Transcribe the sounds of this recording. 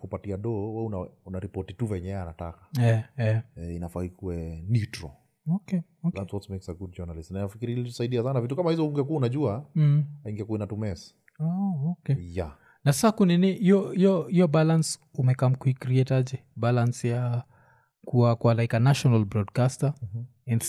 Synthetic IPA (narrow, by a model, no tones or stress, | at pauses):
kupatiaɗɔwɛunaunaɾipɔtituvɛɲɛɛanata̰kḁɛɛɛinafahikuwɛnitɾɔ | oke | olanswɔtsmɛksaɡud̚d͡ʒɔnalisnaninafikiɾilitɔsaiɗiasanavitukamahizɔuŋɡiɛkuunaʄuaaiŋɡiakuɛnatumɛsi̥ | aokejja | nasasakuniniiɔiɔijɔbalans | umɛkamkuikɾiɛtad͡ʒɛbalansja | kuwakwalaikanaʃɔnalbɾɔdkasta | ɛ̃ns